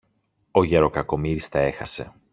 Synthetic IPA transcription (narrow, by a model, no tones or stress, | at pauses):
o̞ʝeɾo̞kɐko̞miɾist̪ɐe̞xɐse̞̰